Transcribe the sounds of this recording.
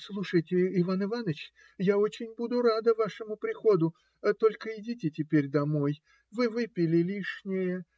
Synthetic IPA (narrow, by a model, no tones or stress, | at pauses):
slˠuʂəjtʲɪɪvanɨvanət͡ɕ | jaot͡ɕɪnʲbud̪ʊɾad̪əvaʂɨmʊpɾʲɪxo̞d̪ʊ | t̪o̞lʲkəɪdʲitʲɪtʲɪpʲeɾʲd̪ɐmo̞j | vɨvɨpʲɪlʲɪlʲiʂnʲɪjə